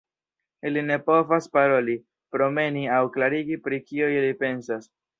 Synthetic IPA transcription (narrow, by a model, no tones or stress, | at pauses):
iline̞po̞vaspaɾo̞li | pɾo̞me̞niawklaɾiɡipɾikioilipe̞nsas